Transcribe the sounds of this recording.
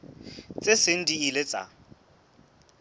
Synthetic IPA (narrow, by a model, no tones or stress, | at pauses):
t͡sʼesɪn̩diilet͡sʼa̰